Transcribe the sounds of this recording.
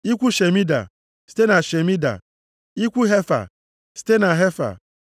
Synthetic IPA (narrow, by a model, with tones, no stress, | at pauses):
i˦kʷu˦ʃe˨mi˦da̰˨ | si̥˦te˦na˨ʃe˨mi˦da̰˨ | i˦kʷu˦ɦe˦fa̰˨ | si̥˦te˦na˨ɦe˦fa̰˨